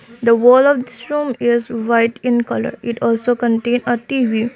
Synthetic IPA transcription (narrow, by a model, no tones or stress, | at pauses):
d̪əʋɔːlɔʋd̪ɪsɾũːmɪzʋaɪʈɪ̃nkʌlə̰ɾɪʈʰɔːlsoːkə̃ɳʈẽːnəʈiːʋiː